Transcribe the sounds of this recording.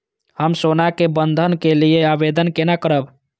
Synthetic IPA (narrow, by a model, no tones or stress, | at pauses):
həmsonakebənd̪ʱənkelijeabed̪ənkenakəɾəb